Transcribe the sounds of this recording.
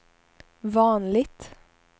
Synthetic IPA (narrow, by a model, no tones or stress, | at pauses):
ʋɑːnlɪt̪